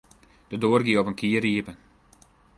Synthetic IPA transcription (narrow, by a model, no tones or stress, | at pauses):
d̥ədoːərɡiəɔpənkʰiəriəpən